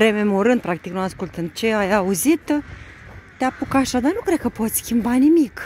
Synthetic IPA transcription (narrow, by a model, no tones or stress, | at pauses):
ɾe̞me̞mo̞ɾɨnd̪pɾak̚t̪iknuaskult̪ɨn̚t͡ʃeajauzit̪ | t̪eapukaʃad̪arnukɾe̞d̪̚kəpo̞t̪sʲskʲimbanimik